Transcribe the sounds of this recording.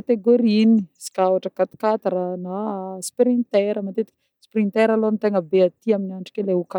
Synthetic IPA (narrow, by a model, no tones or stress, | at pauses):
at̪eɡoɾinisi̥kawaʈ͡ʂəkat̪i̥kat̪aɾanaspɾint̪ɛɾəmat̪et̪ikʲ | sprint̪ɛɾaloant̪eŋəbeat̪iaminiaɳʈ͡ʂu̥kʲeleuka